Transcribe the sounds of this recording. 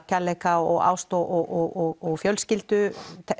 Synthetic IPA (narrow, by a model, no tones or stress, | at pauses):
caleːkaɔɣa̰ːwst̪ɔʔɔʔɔɣɔɣɔɣfjœlscɪlt̪ʏt̪ʰ